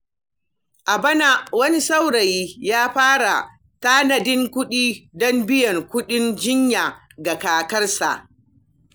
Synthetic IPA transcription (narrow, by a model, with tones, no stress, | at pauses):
ʔa˨bɐ˦na˦wɐ˦ni˦sa˦wɽɐ˨ji˦jaː˦ɸaː˦ɽa̰˨ | taː˦nɐ˨dɪ˦ŋkʷʊ˦ɗiː˦dɔ˦mbɪ˦jɐ˨ŋkʷʊ˦ɗɪ˦nd͡ʒɪ˦ɲja˨ | ɡa˨kaː˨kɐ˦rsa̰˨ʔ